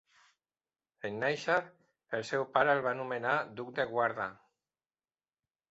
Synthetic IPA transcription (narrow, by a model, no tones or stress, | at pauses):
enːejʃa | elˠsɛwpaɾəelβanumenad̪uk̚d̪eɣwaɾða